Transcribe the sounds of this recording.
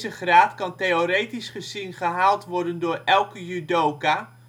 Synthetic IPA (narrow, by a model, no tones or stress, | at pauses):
zəχraːtkɑnteoɾejtisχəzɪnχəɦaːlˠtʋɔɹdəndʊːɹɛlˠkəjyːdowka